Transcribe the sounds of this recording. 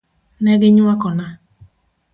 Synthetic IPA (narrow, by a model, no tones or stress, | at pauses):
nɛɡɪɲʊakɔna